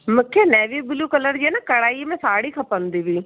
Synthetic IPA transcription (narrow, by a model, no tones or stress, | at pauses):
mʊkʰːjenɛːʋiːbɪluːkələɾd͡ʒenakəɽaːimɛ̃saːɽiːkʰəpənd̪iʋiː